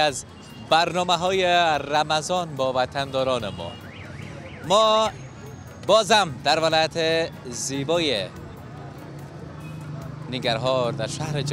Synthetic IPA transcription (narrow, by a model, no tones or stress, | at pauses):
az | bæɾnɔːmaɦɔːjeɾamazɒnbɔːvat̪ʰand̪ɔːɾɔːnemɔ̰ː | mɔː | bɔːzamd̪aɾvalɔjat̪ʰezibɔːje | niɡaɾɦɔɾd̪aɾʃahɾed͡ʒ